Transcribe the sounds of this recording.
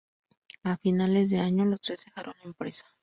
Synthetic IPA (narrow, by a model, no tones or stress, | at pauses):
afinale̞zðe̞aɲo̞lo̞st̪ɾe̞zdexaɾo̞nempɾesḁ